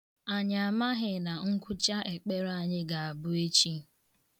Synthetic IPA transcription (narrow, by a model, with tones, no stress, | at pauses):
a˨ɲ˨a˨ma˦ɦɪ˨na˨ŋ̩˦kʷʊ˦t͡ʃa˦ʔe˨k͡pe˦ɾa˨ɲɪ˦ɡa˨a˨bʊ˦e˦t͡ʃi˦